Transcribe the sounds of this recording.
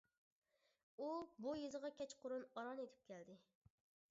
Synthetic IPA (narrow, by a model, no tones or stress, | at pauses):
ubujezəʁɑkʲʰɛt͡ʃqʰʊɾunɑɾɑnet̪ʰɪ̥p̚kʲʰɛld̪ɪ